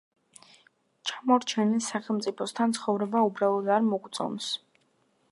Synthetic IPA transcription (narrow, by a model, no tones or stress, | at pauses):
t͡ʃʰamɔɾt͡ʃʰɛnisaχɛlˠmt̪sʼipʰɔst̪ʰant̪sʰχɔvɾɛbaubɾalˠɔd̪aɾmɔɡt̪sʼɔ̰ns